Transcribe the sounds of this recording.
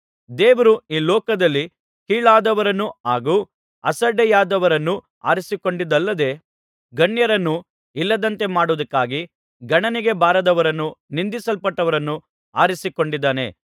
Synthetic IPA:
d̪eːʋɐɾuiːlɔːkɐd̪ɐlːi | kiːɭaːd̪ɐʋɐɾɐnːuaːɡuː | ɐsɐɖɛjaːd̪ɐʋɐɾɐnːu | a̰ːɾisiko̞ɳɖid̪ɐlːɐd̪e̞ː | ɡɐɳjɐɾɐnːu | ilːɐd̪ɐnt̪e̞maːɽuʋɐd̪ɐkːaːɡi | ɡɐɳɐniɡe̞baːɾɐd̪ɐʋɐɾɐnːunind̪isɐlpɐʈːɐʋɐɾɐnːu | a̰ːɾisiko̞ɳɖid̪ːaːne̞̰

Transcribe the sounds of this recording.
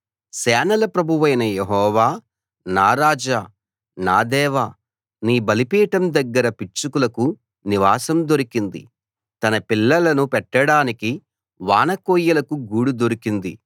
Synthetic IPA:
sɛːnɐlɐpɾɐbʱuʋɐjnɐjeɦɔːʋaː | naːɾaːd͡ʒaː | naːd̪ɛːʋaː | niːbɐlipiːʈɐmd̪ɐɡːɐɾɐpit͡ʃukulɐku | niʋaːsɐmd̪oɾikind̪ḭ | t̪ɐnɐpilːɐlɐnupɛʈːɐɽaːniki | ʋaːnɐkoːjɐlɐkuɡuːɽud̪oɾikind̪ḭ

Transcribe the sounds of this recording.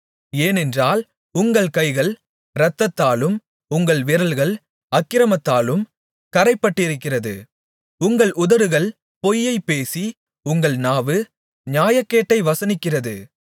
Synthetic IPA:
eːnɛndraːl | ʊŋɡɐɭkɐɪɣɐɭ | ɾɐt̪ːɐt̪ːaːlɯm | ʊŋɡɐɭʋɪɾɐlɣɐɭ | ɐkːɪɾɐmɐt̪ːaːlɯm | kɐɾɐɪpːɐʈːɪɾɯkːɪrɐðɯ̰ | ʊŋɡɐɭʔʊðɐɾɯɣɐɭ | pɔjːɐɪpːeːsi | ʊŋɡɐɭnaːʋɯ | ɲaːjɐkːeːʈːɐɪʋɐsɐnɪkːɪrɐðɯ̰

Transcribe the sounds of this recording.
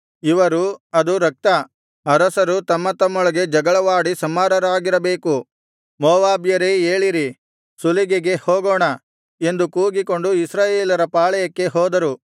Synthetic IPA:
iʋɐɾuɐd̪uɾɐk̚t̪ɐ | ɐɾɐsɐɾut̪ɐmːɐt̪ɐmːɔɭɐɡe̞d͡ʒɐɡɐɭɐʋaːɽisɐmːaːɾɐɾaːɡiɾɐbe̞ːku | mɔːʋaːbjɐɾeeːɭiɾi | suliɡeɡe̞hoːɡoːɳɐ | e̞nd̪ukuːɡiko̞ɳɖuisɾaːjeːlɐɾɐpaːɭɐjɐkːe̞ɦɔːd̪ɐɾu

